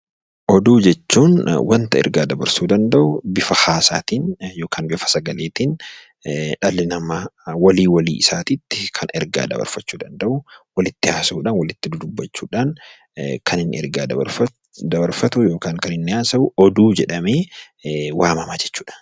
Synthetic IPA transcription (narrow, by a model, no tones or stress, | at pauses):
ʔɔd̪uːd͡ʒɛt͡ʃːuːnwɐnt̪ɐɛ̰ɾɡaːd̪ɐbɐɾsuːd̪ɐnd̪ɐʔʊbɪfɐhaːsa̰ːt̪iːnjoːkʰaːnbɪfɐ̥sɐɡɐleːt̪iːn | ᶑɐlɪnɐmɐwɐliːwɐlḭːɪsaːt̪iːt̪ːɪ̥kʰɐnɛɾɡa̰ːd̪ɐ̰bɐ̰ɾfɐt͡ʃːuːd̪ɐnd̪ɐʔʊwɐlɪt̪ːɪaːsɐuːᶑaːnwɐlɪt̪ːɪd̪ʊd̪ʊbːɐt͡ʃːuːᶑaːn | kʰɐnɪnːɪ̰ɛ̰ɾɡaːd̪ɐbɐ̰ɾ | d̪ɐbɐɾfɐt̪ʊjo̞ːkaːŋkɐnɪnːɪaːsɐʔʊɔd̪uːd͡ʒɛᶑɐmeː | waːmɐmaːd͡ʒɛt͡ʃːu̥ːᶑḁn